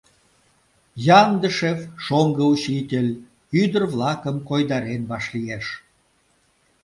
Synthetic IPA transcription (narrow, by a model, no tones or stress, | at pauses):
jɑnd̪əʃefʃoŋɡəut͡ɕit̪ʲelʲ | yd̪ərβlɑkəmkojd̪ɑɾenβɑʃlieʃ